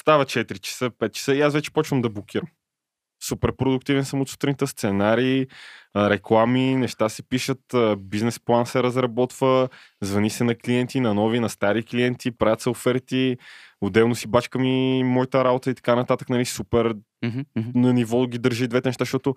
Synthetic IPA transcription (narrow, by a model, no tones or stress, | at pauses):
st̪avɐt͡ʃɛt̪iɾit͡ʃɛ̥sɤpɛt̪̚t͡ʃɛ̥sɤiasvɛt͡ʃɛ̥pɔt͡ʃvəmd̪ɐblˠok̟ʰʲiɾəm | supɛɾpɾod̪ʊkt̪ivɛnsəmʊt̪su̥t̪ɾnit̪ɛst̪sɛnaɾiː | ɾɛklˠaminɛʃt̪asɛpiʃət̪əbiznɛsplˠansɛɾɐzɾɐbɔt̪vəzvɐnisɛnɐkliɛnt̪inɐnɔvinɐst̪aɾikliɛnt̪ipɾavʲət̪sɛofɛɾt̪iʊd̪ɛlˠnʊsibat͡ʃkəmimɔit̪əɾabot̪əit̪ɐ̥kanɐt̪at̪əknɐlisupɛɾ | nɐnivɔɡid̪əɾʒid̪vɛt̪ɛnɛʃt̪aʃt̪ɔt̪ʊ